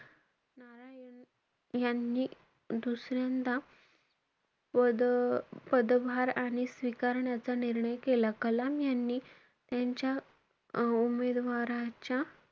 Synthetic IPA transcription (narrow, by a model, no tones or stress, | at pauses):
naɾajən | janːiː | d̪usɾjãnt̪a | ə | pəd̪ʋaɾaɽ̃isʋikaɾɳjat͡saniɾɳəjkelakəlamjanːiː | t̪jaɲt͡ɕja | umed̪ʋaɾat͡ɕja